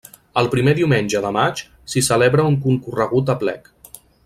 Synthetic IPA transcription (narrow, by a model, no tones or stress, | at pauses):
əlˠpɾimeðiwmenʲʒəðəmat͡ʃ | sisəleβɾəuŋkuŋkurəɣ̞ut̪əplɛ̰k